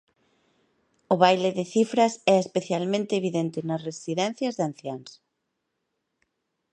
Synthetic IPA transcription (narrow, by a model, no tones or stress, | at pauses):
ʊβajleðɪθifɾɐsɛespeθjalmẽnt̪ɪeβiðent̪ɪnɐsresiðɛn̟θjɐzðan̟θjans